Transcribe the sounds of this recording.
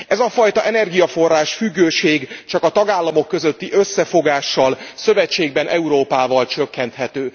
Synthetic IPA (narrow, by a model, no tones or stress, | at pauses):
ɛzɒfɒjt̪ɒʔɛnɛrɡijɒfo̞rːaːʃfyɡːøːʃeːɡt͡ʃɒkɒt̪ɒɡaːlːɒmo̞kːø̞zøt̪ːiʔø̞sːɛfo̞ɡaːʃːɒlsøvɛt͡ʃːeːɡbɛnʔɛuɾoːpaːvɒlt͡ʃø̞kːɛnt̪hɛt̪øː